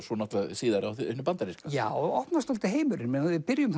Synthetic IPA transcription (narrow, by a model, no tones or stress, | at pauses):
sɔnɔt̪lasiːðaɾawθhnːʏpant̪aɾiskajaːwɔhpnast̪ɔlt̪ɪɦeːjmʏɾɪnmɛnvɪðpɪɾjʏm